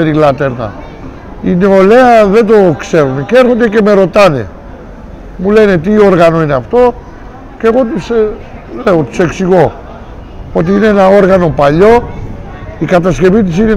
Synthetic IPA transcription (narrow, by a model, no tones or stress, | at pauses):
eɾilat̪eɾna̰ | ineoleaðet̪̬okseɾnekeɾot̪̬iekemeɾot̪anḛ | mulenet̪ioɾɣanoenaft̪o | keɣot̪se | leot̪seksiɣo | pot̪̬iinenaoɾɣanopaʎo | ikat̪̬askeβit̪sine